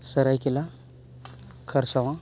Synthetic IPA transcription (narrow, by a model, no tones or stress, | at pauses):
saɾajkila | kʰaɾsawa